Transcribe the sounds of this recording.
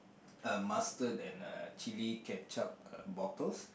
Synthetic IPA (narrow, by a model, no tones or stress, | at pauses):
əmastədɛ̃nə̰t͡ʃilikɛp̚t͡ʃap̚bɔtəls